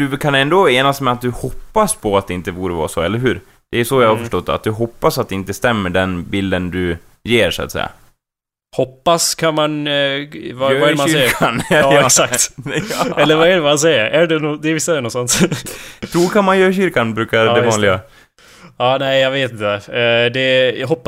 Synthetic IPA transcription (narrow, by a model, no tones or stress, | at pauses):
d̪̥ɵkʰanɛnd̪oeːnast̪mɛat̪̚d̪ɵhɔpːaspʰɔat̪d̪ɛɪnt̪əbuːɾəvɑ̰ːɾsɔɛ̰lːəɾɦʉ̟ːɾ | d̪̥ɛjʉsɔjahaɾfœʂʈɔt̪ːa̰t̪̚d̪ɵɦɔpːasat̪̚d̪ɛɪnt̪əst̪ɛmːəɖɛnbɪld̪ənd̪ɵ | jeːɾʂʊa̰t̪sɛ̰jːa̰ | hɔpːaskʰanman | vavaɛɾmaɛanːɛksaktt̪ | ɛlːəɾvaɛɖɛmans̬ɛjəɾæɖɛnud̪ɛɾvɪsːaɛɾɛnɔsɔnt̪ | t̪ʰɾuːɾkʰanmanjœːɾɕʏɾkanbɾʉ̟ːkaɾd̪ɛɑːnlɪɡa | ɑːnɛɪjɑɡveːt̪ɪnt̪əd̪ɛɦɔpː